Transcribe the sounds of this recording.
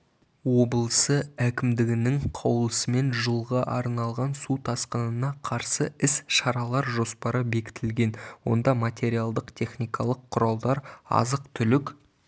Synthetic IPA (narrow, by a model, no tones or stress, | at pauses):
wo̞bəlˠsəækʲɪmd̪ɪɡʲɪnɪŋqʰɑwlˠəsəme̞nʒəlˠʁɑʔɑɾnɑlˠʁɑnsut̪ʰɑsqənənɑqʰɑɾsəɪsʃɑɾɑlˠɑɾʒo̞spɑɾəbe̞kʲɪ̥t̪ʰɪlɡʲe̞nwo̞̰nd̪ɑmat̪ʲe̞ɾijalˠd̪əqt̪ʲʰe̞χnijkɑlˠəqʰːʊɾɑlˠd̪ɑɾɑ̰zəqt̪ʰʏlɪk